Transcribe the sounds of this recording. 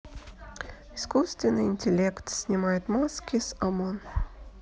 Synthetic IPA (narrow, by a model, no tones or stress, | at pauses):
iskust̪vʲɪnɨinʲt̪ʲɛlʲɛkt̪sʲnʲimajɛt̪maskʲisamɔn